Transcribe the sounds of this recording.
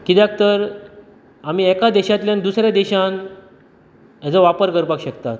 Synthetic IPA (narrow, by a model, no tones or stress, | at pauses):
kit̪jak̚t̪əɾ | am̤iːɛkad̪ɛɕat̪ljand̪usɾjad̪eɕan | jat͡səʋapəɾkəɾpakɕəkt̪at̪